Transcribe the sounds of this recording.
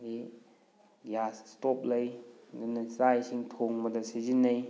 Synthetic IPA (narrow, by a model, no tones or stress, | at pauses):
ɡi | jasstɔp̚lɐjdɯnɐsajsiŋtʰoŋmɐdɐsizinːɐj